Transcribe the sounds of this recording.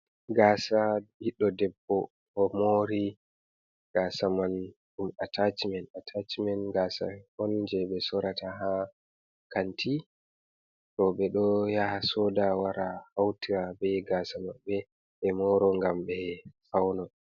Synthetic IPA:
ɡasaiɗːɔdɛbːɔ | hɔmoɾi | ɡ̥asaman | ɗumatʰat͡ʃmɛnatʰat͡ʃmɛnɡaːsa̰hɔnd͡ʒɛɓɛsɔɾataɦa | kantʰi | tɔɓɛɗɔjahasɔdawaɾʔahawtiɾabɛjɡasamaɓɛ | ɓɛmɔɾɔŋɡamɓɛfawnɔ

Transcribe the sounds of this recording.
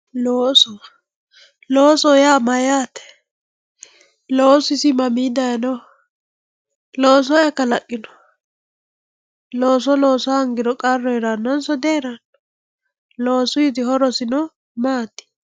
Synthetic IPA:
loːsɔ | loːsɔjaːmɐjaːt̪ɛ̥ | loːsɪsɪmɐmid̪ɐjɐnɔ | loːs̬ɔjɛkːɐlɐ̰kʼːɪnɔ̥ | loːs̬ɔloːsɔhɐŋɡɪd̪ɔkʼɐrːɔjɛɾanɐnsɔd̪eːɾɐn | loːsʊjɪt̪ɪhɔɾɔsɪnɔ | maːt̪ːɪ̥

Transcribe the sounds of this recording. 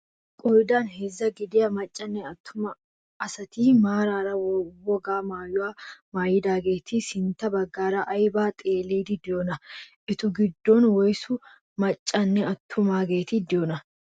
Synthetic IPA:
kʼɔjd̪aːnɦɛzːɐɡɪd̪ɪjɐmɐt͡ʃʼːɐnːɛɐt̪ʰːʊmɐ | ɐsɐt̪iːmaːɾaːɾɐwɔɡaːmaːjʊwaːmaːjɪd̪aːɡeːt̪ʰɪsɪnt̪ɐbɐɡːaːɾɐʔɐjbaːt̪ʼeːleːd̪ɪd̪ɪjoːnɐʔɪt̪ʊɡɪd̪ːɔnwɔjsʊ | mɐt͡ʃʼːɐnːɛɐt̪ʰːʊmaːɡe̞ːt̪ɪd̪ɪjonɐ

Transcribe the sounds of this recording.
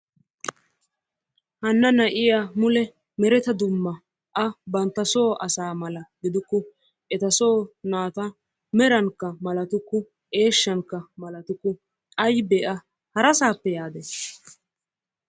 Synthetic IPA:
hɐnːɐnɐʔɪjamʊlɛ | mɛɾɛt̪ɐd̪ʊmːɐ | ʔɐbɐnt̪ːɐso̞ːʔɐsaːmɐlɐɡɪd̪ʊkːʊ | ʔɛt̪ɐsoːnaːt̪ɐ | mɛɾɐŋkːɐmɐlɐt̪ʊkːʊ | ʔe̞ːʃːɐŋkːɐmɐlɐt̪ʊkːʊ | ʔɐjbeːʔɐ | hɐɾɐsaːpːɛjaːd̪ɛ

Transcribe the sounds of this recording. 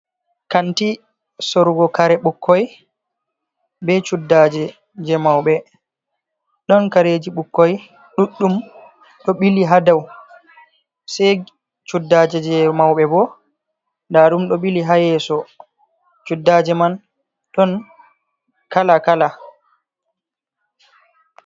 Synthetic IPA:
kanti | soɾuɡɔkaɾɛɓukʰːɔj | bɛt͡ʃudːad͡ʒɛ | d͡ʒɛmawɓɛ | ɗɔnkaɾed͡ʒiɓukːɔj | ɗuɗːum | ɗɔɓiliɦadaw | sɛj | t͡ʃudːad͡ʒɛd͡ʒɛmawɓɛbɔ | ndaɗumɗɔɓiliɦajɛsɔ | t͡ʃudːad͡ʒɛman | ɗɔn | kalakala

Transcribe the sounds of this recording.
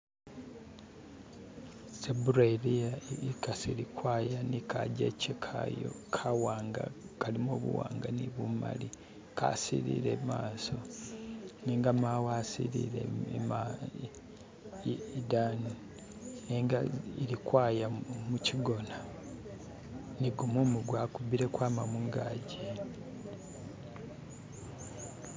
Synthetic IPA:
sebuɾeɾiaikasilikwaːjanikaɟḛcekʰajo̰kʰawaːŋɡa̰kalimoːβṵwaːŋɡaniβuma̰li | ka̰sḭɾḭɾemaːso̞ | niːŋɡamawasiɾḭɾḛma | dani | neːŋɡaeɾikwaːjamuciɡo̞na | niɡumomuɡwakubiɾe̞kwaːmamuŋɡaɟe

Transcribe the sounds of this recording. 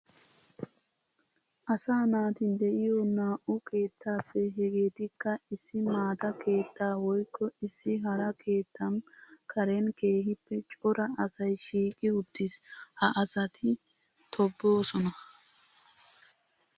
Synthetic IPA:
ʔɐsaːnaːt̪ɪnd̪ɛʔɪjɔnaːʔʊkʰe̞ːt̪ʰːaːfːɛɦɛɡeːt̪ɪkːɐɪsːɪmaːt̪ɐkʰe̞ːt̪ːaːwɔjkʰːɔɪsːɪɦɐɾɐkʰe̞ːt̪ʰːɐm | kʰɐɾɛnke̞ːɦɪpːɛt͡ʃʼɔɾɐɐsɐjʃiːkʼɪʊt̪ːɪshɐʔɐsɐt̪ɪt̪ʰɔbːo̞ːsɔnɐ

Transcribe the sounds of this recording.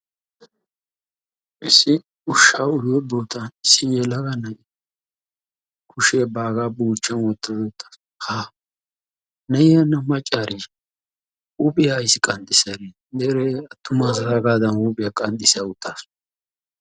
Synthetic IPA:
ʔɪsːɪ | ʊʃːaʊjɔboːt̪ɐnɪsːɪjɛlɐɡɐnɐ | kʰʊʃeːbaːɡaːbuːt͡ʃːɐnwɔt̪ːɐd̪ɔt̪ːɐ̥s | haː | nɐjjɐnːɐmɐt͡ʃʼːaːɾʔi | ʊpʼɪjajsɪkʼɐnt̪ʼːɪsɐɾe | d̪ɛɾɛɐt̪ːʊmaːzɐzaɡaːd̪ɐnʊpʼɪjakʼɐnt̪ʼːɪsaʊt̪ʰːas

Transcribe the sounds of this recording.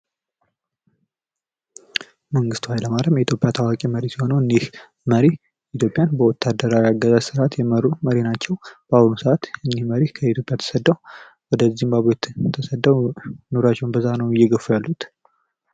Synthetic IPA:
məŋɡɨst̪wajləmaɾəmjɛit̪ʰjo̞pʼjat̪ʰawakʼiməɾisiho̞nəwɨnːih | məɾi | it̪ʰjo̞pʼjanbəwɔt̪ʰːad̪əɾaɾiaɡːəzasɨɾat̪jɛməɾːuməɾinat͡ʃːɛwb̥əahunusəat̪ɨnːihməɾihkʰəit̪jo̞pʼjat̪ʰə̥səd̪ːəw | wɔd̪əzːimbaβet̪t̪ʰːəsəd̪ːəwnoɾat͡ʃːɛwnbəzːanəwɪjːɛɡəfːjalːut̪

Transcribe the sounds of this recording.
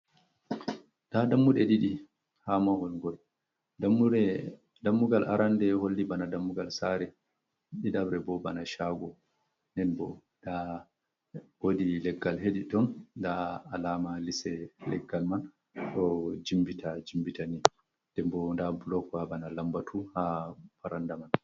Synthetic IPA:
dadamːuɗɛɗiɗi | hamahɔlŋɡɔl | damːuɾɛ | damːuɡalaɾandɛholːibanadamːuɡalsaɾɛ | ɗiɗabɾɛbɔbanaʃaɡɔ | nɛnbɔ | da | wodilɛɡːalɦeɗiɗɔndaːlamalisɛlɛ̰ɡːalman | ɗɔd͡ʒimbitad͡ʒimbitani | d̥ɛmbɔndabulɔkɔhabanalambatʰuhapaɾandaman

